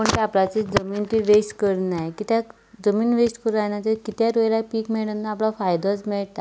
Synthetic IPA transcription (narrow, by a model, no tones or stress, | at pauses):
məɳt̪eaplat͡sed͡zəmiːnt̪iʋeskəɾnajkit̪ja | d͡zəmiːnʋeskəɾajnat̪ekit̪jaɾojlapiːkmeɭənːaːplafajd̪ʱat͡smɛɭt̪a